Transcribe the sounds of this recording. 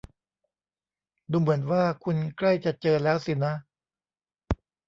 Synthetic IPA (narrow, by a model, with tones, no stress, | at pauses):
duː˧mɯ˩˦ənwaː˥˩kʰu˧nkla˥˩jt͡ɕa˨˩t͡ɕɤː˧lɛː˦˥wsi˨˩na˦˥